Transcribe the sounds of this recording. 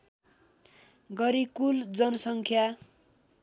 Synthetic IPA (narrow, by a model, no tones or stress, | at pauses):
ɡʌɾikuld͡zʌnʌsʌŋkʰja